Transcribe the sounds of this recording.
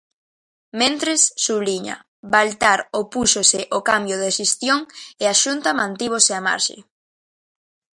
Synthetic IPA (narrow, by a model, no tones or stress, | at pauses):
mẽnt̪ɾesːuβliɲa̰ | balt̪aɾopusosɪʔokambjoðeʃest̪joŋeaʃunt̪amãnt̪iβ̞oseama̰ɾʃḛ